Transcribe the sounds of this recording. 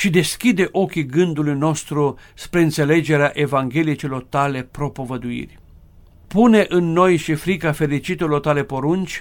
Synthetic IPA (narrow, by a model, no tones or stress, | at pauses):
ʃid̪e̞skʲid̪e̞ʔo̞kʲiɡɨnd̪ulujno̞st̪ɾuspɾe̞ɨnt̪se̞le̞d͡ʒe̞ɾeaʔe̞vaŋɡʲe̞liet͡ʃelo̞rt̪ale̞pɾo̞po̞vəd̪uḭrʲ | pune̞ʔɨnːo̞jʃifɾikafe̞ɾit͡ʃit̪elo̞rt̪ale̞po̞ɾunt͡ʃʲ